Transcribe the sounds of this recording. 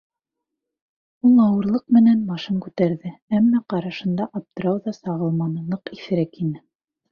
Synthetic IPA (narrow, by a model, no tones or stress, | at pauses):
ulˠɑwɤ̆ɾlˠɤq̚mɘ̆nænmɑʃɤŋkʉt̪æɾðɘæmːæqɑɾɑʃɤ̆nd̪ɑʔɑp̚t̪ɤ̆ɾɑwðɑsɑʁɤ̆lˠmɑnɤ̆ɤqiθɘ̆ɾækinɘ